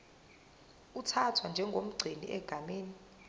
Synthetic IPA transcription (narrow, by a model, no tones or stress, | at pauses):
utʰatʰwand͡ʒʱɛŋɡʱom̩ɡ͡ǀʱinḭʔɛɡ̥ʱameːni